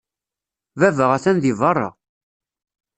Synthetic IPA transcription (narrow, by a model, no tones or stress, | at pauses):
vævəʁæθænðivɑrˤːɑ̰